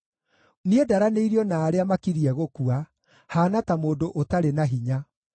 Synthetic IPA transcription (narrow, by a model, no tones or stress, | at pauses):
niedaɾaneiɾiɔnaːɾeamakiɾiɛɣokua | haːnatamoːdoʔotaɾenaɦiɲa